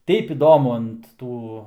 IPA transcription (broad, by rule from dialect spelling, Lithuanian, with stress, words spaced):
ˈtʲɛɪp ɪˈdoːmʊ ɐnt ˈtuː